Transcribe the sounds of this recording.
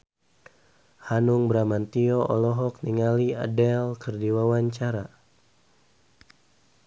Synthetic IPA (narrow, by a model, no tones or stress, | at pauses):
hanuŋbɾamant̪iɔʔɔlɔɦɔk̚niŋalia̰dɛlkərdiwawaɲt͡ʃaɾa